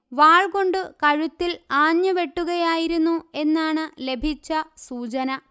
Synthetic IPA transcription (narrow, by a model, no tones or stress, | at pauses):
ʋaːɭko̞ɳɖɨkɐɻut̪ːilaːɲːjɐʋe̞ʈːuɣɐjaːjiɾunːue̞nːaːɳɨle̞bʱit͡ɕːɐsuːt͡ɕɐnɐ